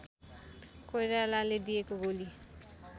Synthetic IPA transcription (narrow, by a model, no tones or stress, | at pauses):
kojɾalaled̪iekoɡoli